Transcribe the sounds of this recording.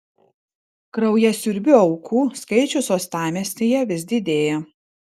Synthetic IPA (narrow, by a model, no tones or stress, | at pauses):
kɾɐʊjɛsʲʊɾʲbʲʊɒʊkʰuːskɐɪt͡ʃʲʊsoːst̪ɑːmʲesʲnʲeːjɛʋʲɪzʲd̪ʲɪd̪ʲeːjɛ